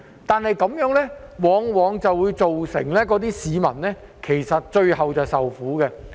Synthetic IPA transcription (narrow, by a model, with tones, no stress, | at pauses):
t̪aː˨nɦɐ˨jkɐ˨˥mjœː˨˥ŋlɛː˥wɔː˨˧ŋwɔː˨˧ŋt͡sɐ˨wːuː˨˧jt͡so˨wsɪ̰˨˩ŋlɛː˥kɔː˨˥t̪iː˥siː˨˧mɐ̰˨˩nnɛː˥ | kʰe˨˩jsɐ˨t̚t͡ʃɵ˧ɥɦɐ˨wt͡sɐ˨wsɐ˨wfuː˨˥kɛː˧